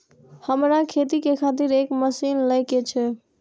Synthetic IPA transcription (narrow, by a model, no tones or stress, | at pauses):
həmɾakʰet̪ikekʰat̪iɾekməsinləjket͡ʃʰɛ